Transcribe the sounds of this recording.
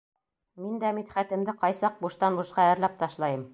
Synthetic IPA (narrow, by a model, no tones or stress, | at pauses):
mind̪æmit̪χæt̪ɘ̆md̪ɘqɑjsɑq̚buʃt̪ɑnbŭʃqɑɘ̆ɾlæp̚t̪ɑʃlˠɑjɤm